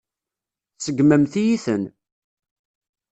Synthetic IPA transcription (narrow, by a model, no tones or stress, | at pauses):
səɡmæmθijiθən